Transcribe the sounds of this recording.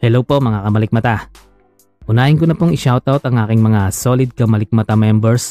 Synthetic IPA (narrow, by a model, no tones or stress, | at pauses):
hɛlowpomɐŋakɐmɐlɪk̚mɐt̪a | ʔʊnaːʔɪnkonɐpoŋɪʃawt̪awt̪ɐŋʔaːkɪŋmɐŋaso̞lɪd̪̚kɐmɐlɪk̚mɐt̪amɛmbɛɹs